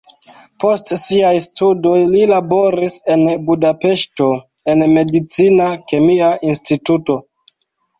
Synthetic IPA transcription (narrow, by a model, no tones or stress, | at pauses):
po̞stsiajstudo̞jlilabo̞ɾise̞nbudape̞ʃto̞ | e̞nme̞dit͡sinake̞miaʔinstituto̞